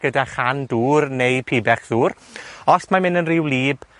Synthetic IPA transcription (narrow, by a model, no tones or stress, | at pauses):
ɡ̥ədaχanduːrnejpʰiːbɛχðuːrɔsmamɪnənrɪwlˠiːb